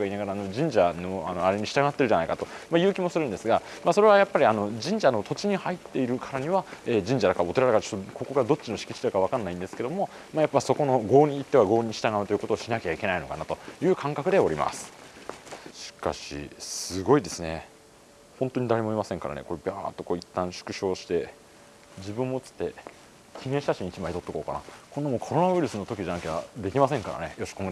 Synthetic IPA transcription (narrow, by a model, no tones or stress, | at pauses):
ɡainaɡaɾaːno̞d͡ʑĩɲ̟d͡ʑanoano̞aɾe̞ɲ̟iɕi̥t̪aɡat̪ːe̞ɾɯ̟anaikat̪o̞majɯ̟ːkʲimo̞sɨɾɯ̃nd̪e̞sɨɡa | maso̞ɾe̞β̞ajapːaɾʲiano̞d͡ʑĩɲ̟d͡ʑano̞t̪o̞t͡ɕiɲ̟ihait̪ːe̞iɾɯ̟kʰaɾaɲ̟iβaeːd͡ʑĩɲ̟d͡ʑad̪akao̞t̪e̞ɾaɾaɡaɾt͡ɕo̞̥t̪ːoko̞ko̞ɡad̪o̞t͡ɕːino̞ɕi̥kʲi̥t͡ɕid̪akaβ̞akãnːaĩnd̪esɨ̥ke̞d̪o̞mo̞ | majapːaiso̞ko̞no̞ɡo̞ːɲ̟iːt̪ːe̞βaɡo̞ːɲ̟iɕi̥t̪aɡaɯ̟t̪o̞jɯko̞t̪oːɕinakʲeaikʲe̞naino̞kanat̪o̞jɯ̟ːkʰãŋkakɯ̟d̪e̞o̞ɾʲima̰sɨ̥ | ɕi̥ka̰ɕḭsɨɡo̞id̪e̞sɨne | hõnt̪o̞ɲ̟id̪aɾe̞mo̞imasẽ̞ŋkaɾa̰ne̞̰ko̞ɾebʲaːt̪ːo̞koːit̪ːãɰ̃ɕɨ̥kɯ̟ɕo̞ːɕi̥t̪e̞ | d͡ʑibɯ̟̃mːo̞t͡sɨ̥t̪ːe̞ | kʲĩŋẽɕi̥t̪aɕĩɲ̟̃ːit͡ɕimait̪o̞t̪ːeko̞ːka̰na̰kond̪amoːkʰo̞ɾo̞naβiɾɯ̟sɨno̞t̪o̞kʲiʑanakʲeβad̪e̞kʲimasẽŋkaɾa̰ne̞jo̞ɕi̥koŋɡ